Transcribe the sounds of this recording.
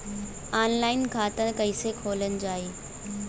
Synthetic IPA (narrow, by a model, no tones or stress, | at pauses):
aːnlaːɪnkʰãːt̪ə̃kɐisekʰoːlənɪ̆d͡ʑaːeː